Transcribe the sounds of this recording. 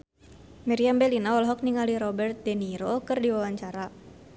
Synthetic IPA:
mɛɾiambɛlinaɔlɦɔk̚niŋaliɾɔbɛrt̪̚dɛniɾokɨrdiwawaɲt͡ʃaɾa

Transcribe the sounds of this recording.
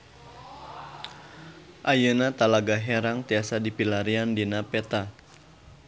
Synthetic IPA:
ʔajənat̪alaɡaɦɛɾaŋt̪iasadipilaɾiandinapɛt̪a

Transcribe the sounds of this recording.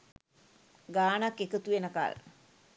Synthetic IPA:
ɡaːnakːekət̪ujenəka̰l

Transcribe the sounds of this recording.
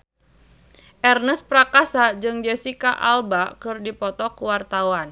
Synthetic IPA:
ʔɛrnəspɾakasad͡ʒɨŋd͡ʒɛsikaʔalbakɨrdipɔt̪ɔkuwart̪awan

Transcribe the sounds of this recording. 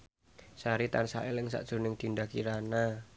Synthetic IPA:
saɾit̪ansa̰ʔɪlɪŋsa̰ʔd̥ʒ̥o̤nɪŋd̪̥i̤nd̪akiɾana

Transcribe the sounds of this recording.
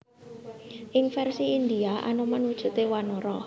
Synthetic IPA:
ʔɪŋfɛrsiːnd̪iaʔa̰nomanwud̥ʒ̥ṳt̪ewanɔɾɔ

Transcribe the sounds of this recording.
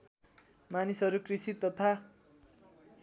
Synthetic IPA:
manisʌɾukrisit̪ːʌt̪ʰa

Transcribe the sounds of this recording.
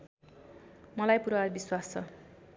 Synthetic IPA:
mʌlajpuɾarbiswast͡sʰʌ̰

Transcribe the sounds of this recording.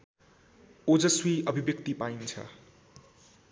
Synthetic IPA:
od͡zʌswiʌbʱibjʌk̚t̪ipaint͡sʰʌ̰

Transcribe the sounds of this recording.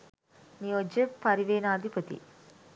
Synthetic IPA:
nijoːd͡ʒepɐɾiʋeːnɐad̪ʱipət̪ḭ

